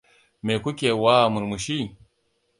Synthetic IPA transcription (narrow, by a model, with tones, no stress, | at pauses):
me˨ku˦kʲe˨wa˦˨mu˨ɾmu˨ʃi˦